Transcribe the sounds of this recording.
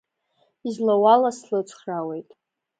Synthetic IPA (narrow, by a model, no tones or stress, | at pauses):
izlawalaslɨt͡ʃʷʰʼχrawe̞jtʼ